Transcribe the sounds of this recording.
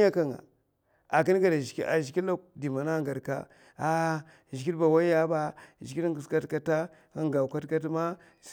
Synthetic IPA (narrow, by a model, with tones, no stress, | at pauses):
a˦ka˨ŋa̰˨ | a˨ki˦n˦ɡa˨da˨˦a̰˨ʒi˨ki˦a˦di˨ma˨na˦ŋ˨ɡa˨ɾka̰˦ | a˦˨ | ʒi˨ki˦ɾba˨wa˦a˦ba˦˨ʒi˨ki˦ɾu˨ska˦tka˦ta˦ | a˦ŋ˨ɡa˨ka˦tka˦t̬ma˦